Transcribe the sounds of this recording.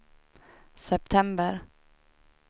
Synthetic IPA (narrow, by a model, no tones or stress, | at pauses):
sɛp̚t̪ʰɛmbəɾ